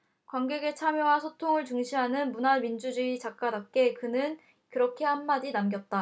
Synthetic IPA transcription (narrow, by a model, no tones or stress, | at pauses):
kwaŋɡeɡe̞t͡ɕʰamjowasʰotʰoŋɯɭt͡ɕuŋɕʰiɦanɯnmunamind͡ʑud͡ʑiit͡ɕak̚k͈adap̚k͈e̞kɯnɯn | kɯɾʌkʰe̞hanmːad͡ʑinamɡjʌt̚t͈a